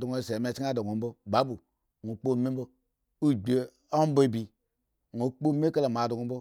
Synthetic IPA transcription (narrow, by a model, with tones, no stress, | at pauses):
do˨ŋo˦˨se˨me˨t͡ʃi˦a˦do˨ɡo˨m̩˦bo˦ba˨˦bu˨ | ŋu˨k͡po˦˨me˦m̩˦bo˦ | u˦ɡ͡be˨ | o˦m˦be˨bi˨ | ŋo˨k͡po˦me˦ka˦la˨m˨a˨do˨ɡo˨m̩˦bo˦